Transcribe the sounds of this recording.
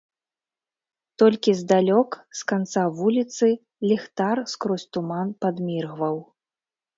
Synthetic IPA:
t̪ɔlʲkʲizd̪alʲɔkskant̪savulʲit̪sɨ | lʲɛxt̪arskɾɔsʲt̪umanpad̪mʲirɣvɐw

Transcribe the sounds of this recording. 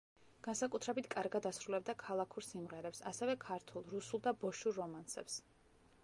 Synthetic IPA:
ɡ̥ansakʼut̪ʰɾɛbit̪ʰkʼaɾɡad̪asɾulɛb̚d̪akʰalˠakʰuɾsimʁɛɾɛpsasɛvɛkʰaɾt̪ʰulˠɾusulˠd̪abɔʃuɾːɔmansɛps

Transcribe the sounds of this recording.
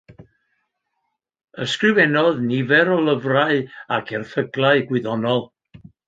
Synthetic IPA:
əskrɪvɛnɔðnɪvɛɾɔlˠəvraɨakʰɛrθəɡlˠaɨɡwɪðɔnɔlˠ

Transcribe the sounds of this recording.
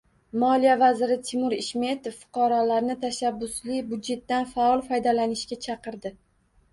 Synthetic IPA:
mɒlijavazɪɾɪt̪ʰɪmʊɾɪʃme̞t̪ʰofːʊ̥qʰɑɾɒlaɾnɪt̪ʰaʃabːʊslɪbʊd̪d͡ʒe̞t̪ːanfaɒlˠfɒjd̪alanɪʃkʲat͡ʃʰɑqʰɨɾd̪ɪ

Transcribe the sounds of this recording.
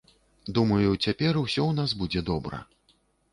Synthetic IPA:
d̪umɐjut͡sʲapʲɛruwsʲɔwnazbud͡zʲɛd̪ɔbɾɐ̰

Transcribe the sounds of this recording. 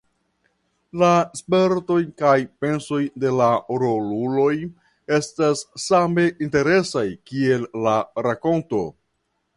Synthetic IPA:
laspe̞ɾto̞jkajpe̞nso̞jde̞laɾolulo̞j | e̞stasːame̞ʔinte̞ɾe̞sajkie̞lːaɾako̞nto̞

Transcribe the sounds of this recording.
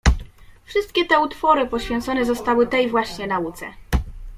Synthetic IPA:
fʂɘst̪̚kʲɛt̪ɛut̪fɔɾɘpɔɕfʲjɛnt̪sɔnɛzɔst̪awɘt̪ɛjvwaɕɲɛnaut̪sɛ̰

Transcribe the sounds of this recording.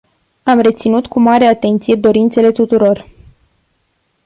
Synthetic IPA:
amre̞t̪sinut̪kumaɾe̞at̪e̞nt̪sije̞d̪o̞ɾint̪se̞le̞t̪ut̪uɾo̞r

